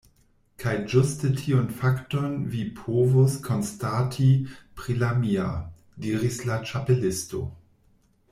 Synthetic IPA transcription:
kʰajd͡ʒustətʰionfaktonvipʰovoskʰonstatʰipɾilamia̰ | diːɾislat͡ʃapelɪsto̰

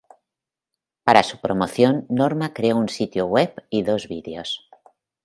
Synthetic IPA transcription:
paɾasupɾomoθjonːoɾmakɾeounsit̪jowepiðozβiðeos

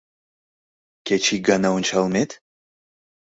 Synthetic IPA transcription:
kʲʰet͡ʃʰiɡanawunt͡ʃʰalˠmet̪

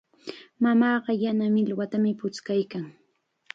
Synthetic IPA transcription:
mamɑːɢɑjanamɪlwat̪amɪpʊt͡skajkaŋ

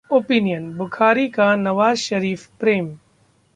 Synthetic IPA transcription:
oːpinijənbʊkʰaːɾikanɐʋaːzʃɐɾiːfpɾeːm

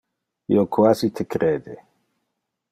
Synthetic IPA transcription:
ḭokʰwasit̪ʰekɾeːd̪e

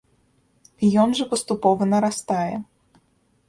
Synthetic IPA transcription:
ijɔnʐɐpɐst̪upɔvɐnɐɾast̪ajɛ

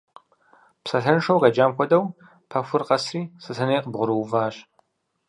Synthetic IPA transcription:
psɐɬɐnʂɐwʁɐd͡ʒaːmxʷɔdɐw | pʰɐfʷʊrqɐsriːsɨɬɐneːqəbʁʷʊɾɨwvaːɕ

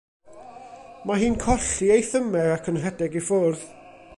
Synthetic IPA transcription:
maɦiːnkʰɔɬiejθəmɛakʰənr̥ɛdɛɡifʊrð

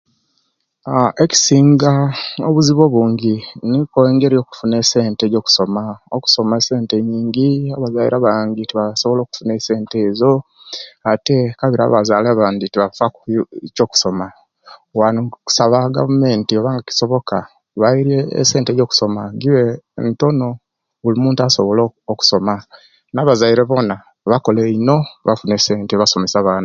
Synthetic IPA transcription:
aeci̥siːŋɡaoβuziβo̞βuːɲɟinikoeːŋɡeɾijo̞ːku̥fune̞se̞ːnte̞ːɟo̞ːku̥so̞maoku̥so̞mese̞ːnte̞ɲiːɲɡiaβazajḭɾaβaːɲɡitiβasoβolo̞ːku̥fune̞se̞ːnte̞ːzo̞ | ate̞kaβiɾa̰βazaːleaβaːnditiβafakco̞ku̥so̞ma | wanku̥saβaɡa̰vume̞ːntio̞βaːŋɡaci̥so̞βo̞ka | βaiɾiḛːse̞ːntejo̞ːku̥so̞maɡiwento̞no̞ | βulimuːntuaso̞βolooku̥so̞ma | naːβazaiɾeβo̞na | βako̞leino̞βafunese̞ːnteβaso̞me̞saβaːna

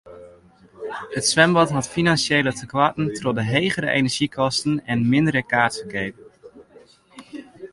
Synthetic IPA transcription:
ətsʋɛmbɑtɦɑtfinansjejlətʰəkʋatn̩trɔdəɦejχəɾə̰ʔḛnəɹʒ̥ikʰɔstənɛnmɪndəɾəkaːɹtfəkejp

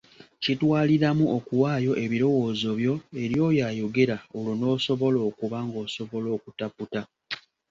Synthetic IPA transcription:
citwaːliɾamuʔokuwaːjo̞ʔe̞βiɾo̞wo̞ːzo̞βjo̞e̞ɾjo̞ːjaːjo̞ɡe̞ɾao̞lono̞ːso̞βo̞lo̞ːkuβaŋɡo̞ːso̞βo̞lo̞ːkutaputa

